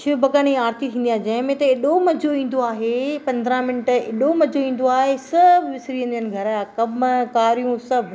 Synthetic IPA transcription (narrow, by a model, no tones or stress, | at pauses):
ʃɪbʱɐkaːniaːɾt̪ʰit̪ʰĩːnd̪ijãːd͡ʑɐ̃ɦɪ̃mẽt̪ɐɪɗomɐd͡ʑoĩːn̆d̪oaːɦepɐ̃nd̪ɾãmɪnʈɪ̰ɗomɐd͡ʑoĩːn̆d̪oaːɦesɐbʱʋɪsɾiə̃nd̪jənɪ̆ɡʱɐɾaːkɐmkaːɾijũsɐbʱ